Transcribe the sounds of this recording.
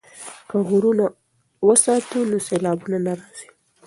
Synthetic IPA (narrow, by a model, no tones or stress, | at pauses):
kaɣuɾuna | wəsɑt̪unoselɑbunanaɾɑz̥i̥